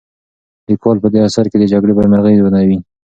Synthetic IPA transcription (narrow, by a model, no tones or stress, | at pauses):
likwɑlpəd̪easaɾked̪əd͡ʒaɡɽebaɾmaɾɣəjzwanawi